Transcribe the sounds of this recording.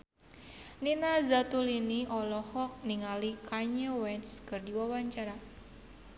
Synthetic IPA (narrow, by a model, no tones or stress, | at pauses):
ninazat̪uliniʔɔlɔhɔk̚niŋalikaɲəwɛnskɨrdiwawaɲt͡ʃaɾa